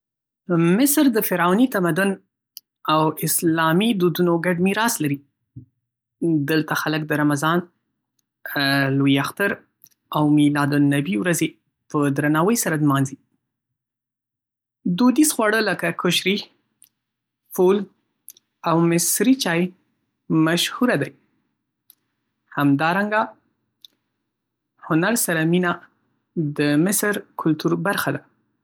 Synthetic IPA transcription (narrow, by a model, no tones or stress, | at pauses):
mɪsɾd̪əfɪɾɑnit̪amad̪ʊn | awɪslɑmid̪ud̪unoɡaɖmiɾɑslaɾi | d̪əlt̪axaləkd̪əɾamazɑn | lojiaxt̪aɾ | awmilɑd̪ʊnːabiwɾaze | pəd̪ɾanɑwəjsaɾad̪mɑnzi | d̪ud̪isxwɑɽələkakʰʊʃɾi | ful | awmɪsɾit͡ʃɑj | maʃhuɾad̪aj | hamd̪ɑɾaŋɡa | hʊnaɾsaɾamina | d̪əmɪsɾkʰʊlt̪uɾbaɾxad̪a